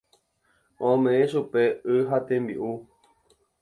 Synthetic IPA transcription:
õmẽʔẽʃupe̞ɨɦat̪ẽmbḭʔu

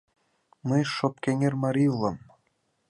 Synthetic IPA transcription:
məjʃop̚keŋʲermɑɾʲilˠɑm

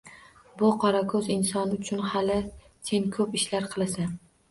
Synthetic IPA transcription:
bʊqʰɒɾakʰɵzɪnsɒnʊt͡ʃʰʊnhalɪ | t̪ʰeŋkʰɵpɪʃlaɾqʰɨlˠasa

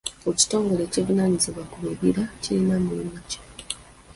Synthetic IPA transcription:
oci̥to̞ːŋɡo̞le̞ːcivunaːɲiziβwakuleβiɾacilimamulimuci̥

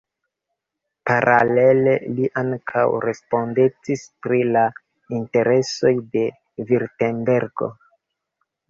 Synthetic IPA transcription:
paɾʔale̞le̞liʔaŋkʰa̰wɾe̞spo̞ndet͡sispɾila | inte̞ɾe̞so̞jde̞ | viɾtenbe̞ɾɡo̞̰

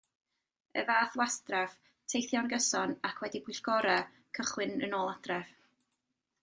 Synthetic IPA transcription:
ə̰vaːθwastrav̥ | tʰejθjɔnɡəsɔnakʰwɛdibʊɬɡ̥ɔɾa | kʰəχwɪnə̰noːlˠad̥rɛv̥

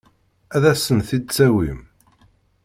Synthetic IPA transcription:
æðæsənθid̪̚t͡sːæwim

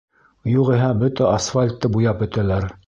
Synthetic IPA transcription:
juʁiɦæbɵt̪æʔɐsfalʲt̪ːɤbujɑpɵ̆t̪ælæɾ

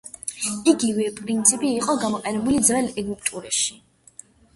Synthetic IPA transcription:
iɡivɛpʼɾint̪sʰipʼiːqʼɔɡamɔqʼɛnɛbulid̪zɾɛlɛɡupʰt̪ʼuɾɛʃi̥

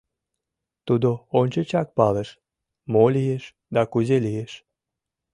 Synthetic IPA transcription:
t̪ud̪oonʲt͡ɕət͡ɕɑk̚pɑleʃ | molijeʃ | d̪ɑkuzelijeʃ

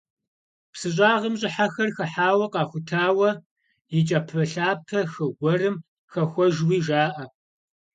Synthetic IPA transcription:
psɨɕ̬ʼaːʁəmʑʼɪħaxɐrxɐħaːwɐqɑːxʷʊtʰaːwɐ | jɪt͡ʃʼɐpʰɐɬaːpʰɐxɐɡʷɔrɨm | xɐxʷɔʒwiːʒaːʔɐ

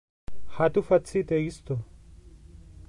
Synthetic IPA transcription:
hat̪ufɐt͡sʰːit̪ʼejist̪o

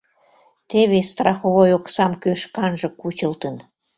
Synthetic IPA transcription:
t̪eβest̪rɑxoβojoksɑmkøʃkɑnʒə̆kut͡ɕəlt̪ən

